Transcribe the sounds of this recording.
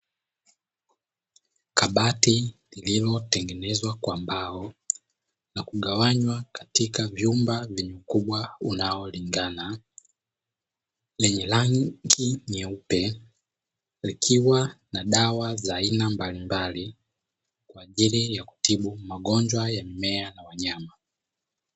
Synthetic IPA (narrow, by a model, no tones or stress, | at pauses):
kaɓatilililɔtɛŋɡɛnɛzwakwambaɔ | nakuɠawaɲwakḁtikavjumbavjɛɲukuɓwaunaɔliŋɡana | lɛɲɛlaŋɡiɲɛupɛ | likʰiwanaɗawazaːinambalimbali | kwaːʄilijaku̥tiɓumaɠɔnd͡ʒwajamimɛanawaɲama